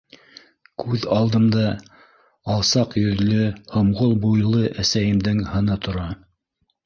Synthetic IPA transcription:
kʉðɑlˠd̪ɤ̆md̪ɑ | ɑlˠsɑqjɵ̆ðlɵhŏmʁolˠbujlˠɤʔæsæjɘ̆md̪ɘŋhɤ̆nɤt̪ŏɾɑ

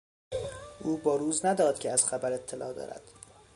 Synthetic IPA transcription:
ʔuːbɒːɾuːznæd̪ɒːd̪̥̚cʲʰeæz̥xæbæɾe̞t̪ʰːelɒːd̪ɒ̰ːɾæ̰d̪̥

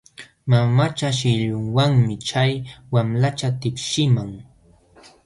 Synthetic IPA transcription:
mamat͡ʃaʃɪʎʊŋwaŋmɪt͡ʃajwamlat͡ʃat̪ɪpʃɪmaŋ

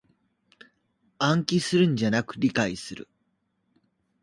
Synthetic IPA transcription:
ãŋkʲisɨɾɯ̟̃ɲd͡ʑanakɯ̟ɾʲikaisɨɾɯ̟̰

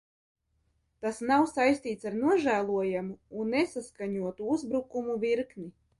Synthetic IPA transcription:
t̪asnawsajst̪iːt̪saɾnuɔʒæːlˠuɔjamuːnːesaskaɲuɔt̪uuzbɾukumuviɾkni

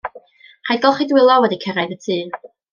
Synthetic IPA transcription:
hajd̚ɡɔlˠχidwɪlˠɔwɛdikʰəɾajðətʰɨː

